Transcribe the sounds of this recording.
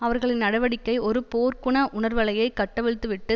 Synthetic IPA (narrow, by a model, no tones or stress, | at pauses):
ɐʋɐɾɣɐɭɪnnɐɽɐʋɐɽɪkːɐɪɔɾɯpoːɾkʊɳɐʔʊɳɐɾʋɐɭɐjɐɪkːɐʈːɐʋɛɻɯt̪ːɯʋɪʈːɯ